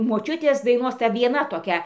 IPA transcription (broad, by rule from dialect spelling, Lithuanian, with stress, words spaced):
moːˈt͡ʃʲʊtʲeːs dɐɪˈnoːs ˈtɐ ʋʲiɛˈnɐ toːˈkʲɛ